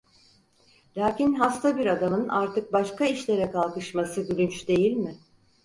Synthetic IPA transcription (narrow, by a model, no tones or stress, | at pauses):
lʲaːcinɦast̪ʰabiɾad̪amɯnaɾt̪ʰɯk̚baʃkaiʃlʲe̞ɾɛkʰalˠkɯʃmasɯylʲynt͡ʃd̪e̞jilʲmɪ